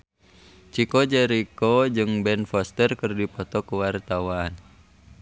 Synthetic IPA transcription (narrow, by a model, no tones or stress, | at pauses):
t͡ʃikɔd͡ʒɛɾikɔd͡ʒɨŋbɛnfɔst̪ərkɨrdipɔt̪ɔkuwart̪awaːn